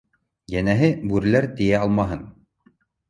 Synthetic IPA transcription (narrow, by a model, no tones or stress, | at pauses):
jænæɦɘbʉɾlæɾt̪ijæɑlˠmɑɦɤn